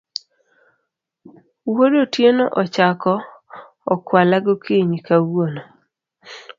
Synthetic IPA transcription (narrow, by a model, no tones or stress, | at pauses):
woɾotjenɔ̰ʔɔt͡ʃakɔː | kwalaɡokʰeɲikawuono